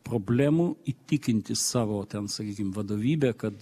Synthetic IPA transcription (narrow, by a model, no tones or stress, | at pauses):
pɾoːbʲlʲæːmuit̪ʲɪkʲɪnʲt̪ʲɪssɑːʋoːt̪ʲɛnsɐkʲiːkʲɪmʋɐd̪oːʋʲiːbʲeːkɐt̪